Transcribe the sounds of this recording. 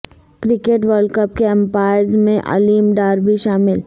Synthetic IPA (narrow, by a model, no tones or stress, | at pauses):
kɾɪkeʈʋəɾɖkəp̚keɛ̃mpaːɪəɾzmẽʔa̰liːmɖaːɾbʱiʃaːmɪl